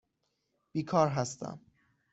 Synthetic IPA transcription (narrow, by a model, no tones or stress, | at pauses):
b̥iːkʰɒːɾɦæst̪æ̰m